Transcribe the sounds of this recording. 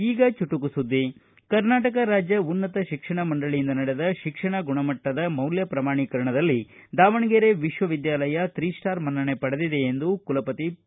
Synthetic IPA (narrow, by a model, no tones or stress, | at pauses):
iːɡɐt͡ʃuʈːukusud̪ːi | kɐɾnaːʈɐk̬ɐɾaːd͡ʒjɐunːɐt̪ɐʃikʂɐɳɐmɐɳɖɐɭijind̪ɐnɐɽed̪ɐʃikʂɐɳɐɡuɳɐmɐʈːɐd̪ɐmɐwljɐpɾɐmaːɳikɐɾɐɳɐd̪ɐlːi | d̪aːʋɐɳɐɡeːɾe̞ʋiʃʋɐʋid̪jaːlɐjɐt̪ɾiːsʈaːɾmɐnːɐɳe̞pɐɽed̪id̪e̞ːnd̪ukulɐpɐt̪i